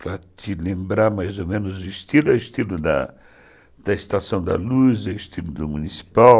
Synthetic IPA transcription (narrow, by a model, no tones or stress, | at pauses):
pɾɐt̪ilẽmbɾaɾmajzomẽnʊzuist̪ilʊɛwist̪ilud̪ɐ̰ | d̪̥ɐist̪asɐ̃w̃d̪ɐ̰luzɛist̪ilʊd̪umunisi̥paw